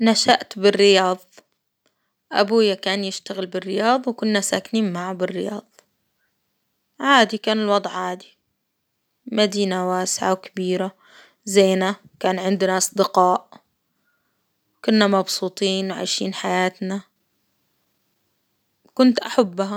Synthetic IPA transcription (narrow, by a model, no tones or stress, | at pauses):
naʃaʔt̪bɪrːɪjɑːðˤ | ʔa̰buːjakaːnjɪʃt̪aɣɪlbɪrːɪjɑːðˤwkʊnːasaːkniːnmaʕabɪrːɪjɑːðˤ | ʕaːd̪ikaːnɪlwɑd̪ˤʕʕaːd̪i | mad̪iːnawaːsɪʕawkabiːɾa | zeːna | kaːnʕɪnd̪naʔɑsˤd̪ɪqɑːʔ | kʊnːamɑbsuːt̪ˤiːnwʕa̰jʃḭːnħajaːt̪na | kʊnt̪ʔaħabːha